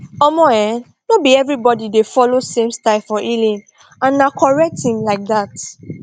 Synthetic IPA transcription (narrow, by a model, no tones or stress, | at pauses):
ɔmɔɛ̃ | nobiɛvɹibɔdidefɔlosẽmstaɪfɔʔilĩn | ãnːakʰɔɹɛk̚thĩmlaɪk̚ðat